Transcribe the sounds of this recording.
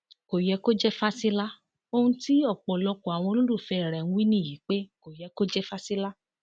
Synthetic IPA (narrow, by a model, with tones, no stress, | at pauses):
ko˨jɛ˧ko˦d͡ʒɛ˦fa˦si˦la˦ | o˧hũ˧ti˦ɔ˦˨k͡pɔ˨lɔ˧kɔ˨a˨w̃ɔ̃˧o˧lo˦lu˦˨fɛ˧˨ɾɛ˨ñ̩˧˦wi˦nĩ˦˨ji˨˦k͡pe˦ko˨jɛ˧˦ko˦d͡ʒɛ˦fa˦si˦la˦